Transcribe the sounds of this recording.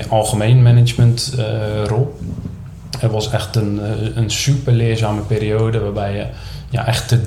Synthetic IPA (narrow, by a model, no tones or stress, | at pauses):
əɑlˠɣəmejnmɛnɪt͡ʃməntrolˠ | ɛrʋɔsɛxtənənsypərlɪəzaːməpeːɾioːdəʋaːrbɛjjə | ja̰ʔɛxtə